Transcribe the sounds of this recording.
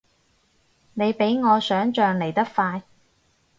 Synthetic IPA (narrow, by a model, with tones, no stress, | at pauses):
ne˨˧jpe˨˥jŋɔː˨˧sœː˨˥ŋt͡ʃœː˨˧ŋle˨˩jt̪ɐ˥k̚faː˧j